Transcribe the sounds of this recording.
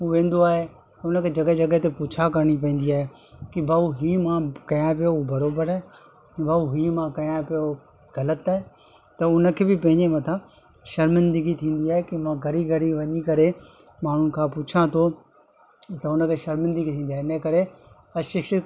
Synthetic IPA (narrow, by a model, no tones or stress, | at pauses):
uːʋẽːn̆d̪oaːɦe | t̪ɐʊnə̆kʰeːd͡ʑɐɡəd͡ʑɐɡəɦt̪eput͡ɕʰakɐɾɽ̃ipɐ̃ĩːn̆d̪iaːɦe | kibʱaːuɦiːmãkɐjãp̬ijoubɐɾoːbəɾaːe | baːuɦiːmãkɐjãpijo | ɣɐlət̪aːɦe | t̪ɐʊnə̆kʰeːbɪpɐ̃ɦɪ̃ɲd͡ʑemɐt̪ʰã | ʃɐɾmɪ̃nd̪əɡit̪ʰĩːn̆d̪iaːɦekimãɡʱɐɾiɡʱɐɾiʋɐɲikɐɾe | maːn̤ʊnɪ̆kʰãːput͡ɕʰãt̪ʰo | t̪ɐʊnə̆kʰeːʃɐɾmɪ̃nd̪əɡit̪ʰĩːnd̪iaɦeɪɪnəkɐɾe | ɐʃɪkʃə